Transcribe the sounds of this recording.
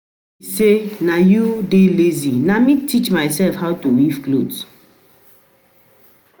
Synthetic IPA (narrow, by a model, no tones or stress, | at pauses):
senajudelezinamitʰit͡ʃmaɪsɛlfhaʊtuwifklods